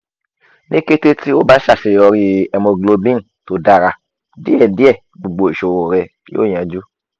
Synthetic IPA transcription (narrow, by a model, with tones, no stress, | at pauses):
ne˦ke˦te˦ti˦o˦ba˦ʃa˦˨ʃe˨ɔ˧ɾi˧ɛ˧mɔ̃˧ɡlo˧bĩ˦n˨to˧˦da˧˨ɾa˧ | di˦ɛ˨di˦ɛ˦˨ | ɡ͡bo˨ɡ͡bo˨e˨ʃo˨wo˨ɾɛ˧ | jo̰˦˨jã˨d͡ʒu˦